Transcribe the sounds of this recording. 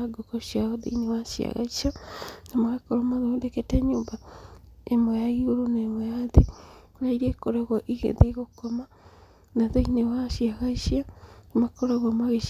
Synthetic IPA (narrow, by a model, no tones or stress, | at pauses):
ɡokɔɕiaoðḛinewaʃia̰ɣa̰iʃanamaɣekoɾomaðodeketɛɲoːmba | emɔjaiɣoɾoneːmɔjaðe | oɾaiɾiekoɾɛɣɔʔiɣḛðeɣokɔma | naðeinewaʃiaɣaiɕiaemakoɾeɣwamwaɣeʃ